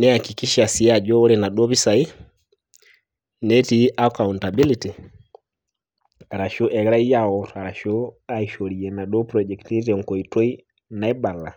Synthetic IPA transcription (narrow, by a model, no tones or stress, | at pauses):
nɛhakikiʃasiad͡ʒɔɔɾɛnaɗɔβisai | nɛtiʔakawuntabiliti | aɾaʃɔʔɛɣɾaijaɔɾaɾaʃɔaiʃɔɾiɛnaɗɔpɾɔd͡ʒɛktitɛŋ̩kɔitwɔi | naɛbala